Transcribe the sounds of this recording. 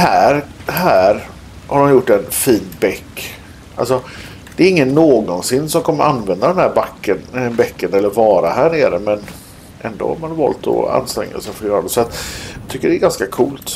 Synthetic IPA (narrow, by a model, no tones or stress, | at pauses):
hæːɾhæːɾ | haɖɔmjʊʈːɛnfiːnbɛkː | ʔa̰ls̬ɔ | d̪̥ɛːɾɪŋːənːoːɡɔnsɪnːsɔmkʰɔmːəɾʔanvɛnd̪ad̪ɛnhæːɾbakːənbɛkːənɛlːəɾvɑːɾaɦæːɳeːɾəmɛn | ʔɛ̰nd̪o̰ːha̰ɾmanvɑ̰ːlt̪ʰɔ̰a̰nst̪ɾɛ̰ŋːa̰sɛfoːjœːɾad̪ɛsɔat̪jɑt̪ʏkːəɖɛɾɡanskakʰuːlt̪